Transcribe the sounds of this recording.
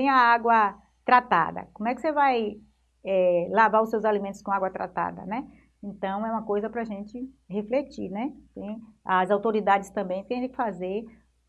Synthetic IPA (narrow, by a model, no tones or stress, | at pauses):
t̪ẽj̃ɐaɡwɐ | t̪ɾat̪a̰d̪ɐ̰kõmʊɛkɪsevaj | ɛlavaɾʊsewzalimẽnt̪ʊ̥skõaɡwɐt̪ɾa̰t̪a̰d̪ɐ̰nɛ | ẽnt̪ɐ̃w̃ɛũmɐkojzɐpɾɐaʒẽnt͡ʃɪ | heflet͡ʃiɾnɛt̪ẽj̃ɐzawt̪oɾid̪ad͡ʒɪst̪ɐ̃mbẽj̃keẽt̪ẽj̃kɪfazeɾ